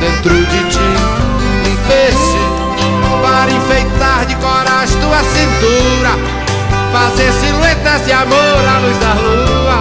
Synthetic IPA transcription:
d̪ẽnt̪ɾʊd͡ʒɪt͡ʃi | ibeʃe | paɾĩfejt̪aɾd͡ʒɪkɔɾaʃt̪uɐsĩnt̪uɾɐ | fazeɾsilwet̪ɐzɪamoɾaluzd̪aluɐ

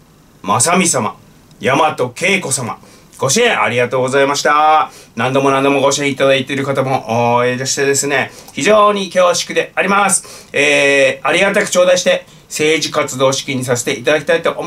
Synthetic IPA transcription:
masamʲisama̰ | jamat̪o̞ke̞ːko̞sama̰ | ɡ̥o̞ɕiẽʔa̰ɾʲiɡat̪o̞ːɡo̞zaimaɕi̥t̪anãnd̪o̞mo̞nãnd̪o̞mo̞ɡo̞ɕiẽit̪ad̪ait̪e̞ɾɯ̟kat̪amo̞ʔoːed̪eɕi̥t̪e̞d̪e̞sɨne̞çiʑo̞ːɲ̟ikʲo̞ːɕi̥kɯ̟d̪e̞aɾʲimasɨ̥eːaɾʲiɡat̪akɯ̟̥t͡ɕo̞ːd̪aiɕi̥t̪e̞ | se̞ːʑikat͡sɨd̪o̞ːɕi̥kʲiɲ̟is̬ase̞̥t̪e̞ʔit̪ad̪akʲi̥t̪ait̪o̞ʔom

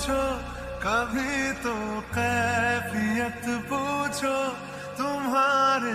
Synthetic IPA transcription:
t͡ʃʰo | kabʱit̪oqɛːfijət̪put͡ʃʰo | t̪ʊmɦaːɾe

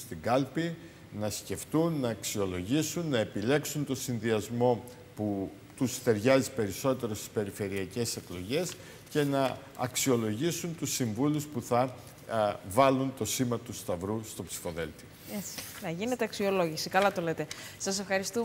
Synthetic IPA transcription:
st̪iɡɐlpi | nɐsce̞ft̪unːɐːksio̞lo̞ʝisunːɐe̞pile̞ksunt̪o̞sinðiɐzmo̞ | pu | t̪ust̪e̞ɾʝɐzipe̞ɾiso̞t̪e̞ɾost̪i̥spe̞ɾife̞ɾiɐce̞se̞klo̞ʝe̞s | ce̞nɐ | ɐksio̞lo̞ʝisunt̪usiɱvuluspuθɐ | vɐlunt̪o̞simɐt̪ust̪ɐvɾust̪o̞psi̥fo̞ðe̞lt̪i̥ | esnɐʝine̞t̪eɐksio̞lo̞ʝisikɐlɐt̪o̞let̪e̞sɐse̞fxɐɾist̪u

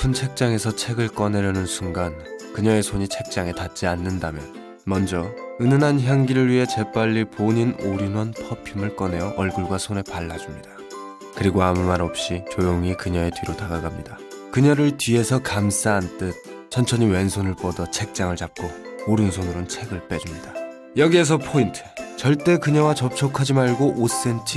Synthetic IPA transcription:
pʰunt͡ɕʰe̞k̚t͡ɕ͈aŋe̞sʰʌt͡ɕʰe̞ɡɯɭk͈ʌne̞ɾjʌnɯnsʰuŋɡankɯɲʌe̞sʰoɲit͡ɕʰe̞k̚t͡ɕ͈aŋe̞tat̚t͡ɕ͈ianːɯndamjʌn | mʌnd͡ʑʌɯnɯnɦançjaŋɡiɾɯɭɥiɦe̞t͡ɕe̞p͈aʎːipoɲinoɾinʌnpʰʌpʰimɯɭk͈ʌne̞jʌʔʌɭɡɯɭɡwasʰone̞paɭːad͡ʑumɲid̥a | kɯɾiɡoamumaɾʌp̚ɕ͈it͡ɕojoŋikɯɲʌe̞tɥiɾotaɡaɡamɲida | kɯɲʌɾɯɭtɥie̞sʰʌkams͈aɦːnt͈ɯt̚ | t͡ɕʰʌnt͡ɕʰʌɲiwe̞nsʰonɯɭpʌdʌt͡ɕʰe̞k̚t͡ɕ͈aŋɯɭt͡ɕap̚k͈ooɾɯnsʰonɯɾont͡ɕʰe̞ɡɯɭp͈e̞ɾumɲida | jʌɡie̞s̬ʰʌpʰointʰɯ̥t͡ɕʌɭt͈e̞kɯɲʌwat͡ɕʌp̚t͡ɕʰokʰad͡ʑimaɭɡoʔos͈e̞nt͡ɕʰi

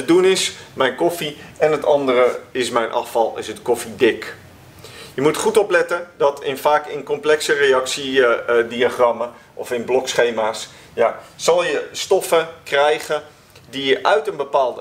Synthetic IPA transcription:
ədunɪsmɛjnkofiɛnətɑndərəɪsmɛjnʔɑ̰fɑlˠɪ̰sətkofidɪk | jəmutχutoplɛtədɔtʰɪnfaːkɪnkomplɛksəreɑksidiaχrɑmə | ʔɔfɪnblɔksχeːmaːs | jasɑlˠjəstɔfəkrɛjɣə | dijəʔœɥtənbəpaːlˠd

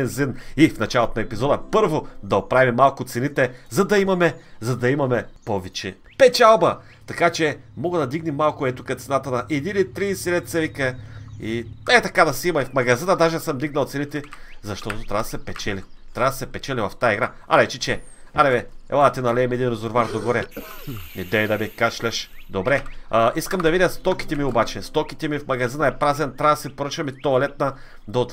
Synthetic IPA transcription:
bɛnzinifnɐt͡ʃalˠot̪onɐɛpizɔd̪əpɤɾvod̪ɐopɾavʲimːalˠkʊt̪sɛnit̪ɛzɐd̪ɐimɐmɛzɐd̪ɐimɐmɛpovɛt͡ʃɛ | pɛt͡ʃalˠbɐ | t̪ɐkat͡ʃɛmɔɡəd̪ɐd̪iɡnɛmːalˠkʊɛt̪ukɐt̪sɛnat̪ənɐʔɛd̪init̪ɾisilɛt̪t̪sɛvikəiɛt̪ɐkad̪ɐsɛimɐifmɐɡɐzinəd̪aʒɛsɤmd̪iɡ̚nɐlˠt̪sɛnit̪ɛzɐʃt̪ɔt̪ot̪ɾʲavɐd̪sɛpɛt͡ʃɛlit̪ɾʲavd̪ɐsɛpɛt͡ʃɛlivɐft̪ajiɡɾa | a̰ɾɛt͡ʃit͡ʃɛaɾɛvɛɛ̰lˠad̪ɐt̪inɐlɛɛmɛd̪inɾɛzoɾvaɾd̪oɡoɾɛnid̪ɛid̪ɐmikat͡ʃlʲɛʃd̪obɾɛaiskɐmd̪ɐvidʲjɐst̪ɔki̥t̪ɛmiobat͡ʃɛst̪ɔkit̪ɛmifmɐɡɐzinɐɛpɾazɛnt̪ɾavsɛpoɾət͡ʃɐmit̪olɛt̪̚nɐ | d̪ɐot̪

